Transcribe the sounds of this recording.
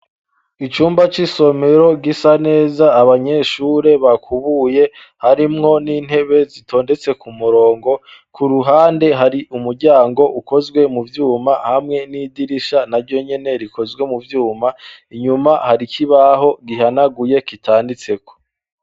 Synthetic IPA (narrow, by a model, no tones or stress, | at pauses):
it͡ʃuːmbat͡ʃiso̞me̞ɾo̞ɡisane̞ːzaːβaɲe̞ʃuːɾe̞βakʰuβuje̞ | haɾimŋo̞niːn̥he̞βe̞zito̞ːnde̞t͡se̞kumuɾo̞ːŋɡo̞kuɾuɦaːnde̞ɦaɾiʔumuɾɟaːŋɡo̞ʔuko̞zɡwe̞muvjuːmahamŋe̞nidiɾiʃanaɾɟo̞ɲe̞ne̞ɾiko̞zɡwe̞muvjuːmaiɲumahaɾikʰiβaɦo̞ɡiɦanaɡuje̞kitʰaːndit͡se̞ko̥